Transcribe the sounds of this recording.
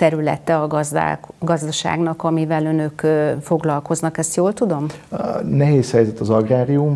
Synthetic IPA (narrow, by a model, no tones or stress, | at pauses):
t̪ɛɾylɛ̰t̪ɛɒɡzd̪a̰ɡɒzd̪ɒʃa̰ːɡnɒkɒmivɛlø̞nø̞køfo̞ɡlɒlko̞znɒkɛst̪joːlt̪ud̪o̞mnɛɦeːshɛjzɛt̪ɒzɒɡraːɾium